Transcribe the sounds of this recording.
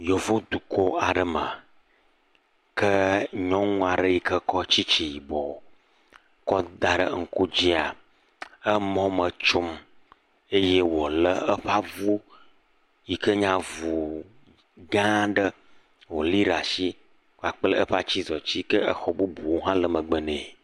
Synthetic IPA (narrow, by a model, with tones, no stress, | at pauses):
jo˨vo˦d̪u˨ko˦a˨ɖə˨mə˨ | kə˦ɲɔ̃˦ŋũ˦a˨ɖə˦ji˨kə˦kɔ˦t͡ɕi˦t͡ʃi˨ji˨bɔ˨ | kɔ˦d̪a˨ɖə̰˦ŋ̩˦˨ko˦d͡ʑi˦a˨ | ə˦mɔ̃˦mə˨t͡ʃo˦m | e˦je˦wo˨lə˦ə˦ɸa˦vu˦ | ji˨kə˦ɲã˨vu˨ | ɡã˦ɖə˦ | wo˨li˦ɖa˨ʃi˦ | ka˨k͡plə˦ə˦ɸa˦t͡ɕi˦zɔ˨t͡ɕi˦kə˦ə˦xɔ˨bu˦bu˨wo˦ɦã˦lə˨mə˨ɡ͡bə˦nẽ˨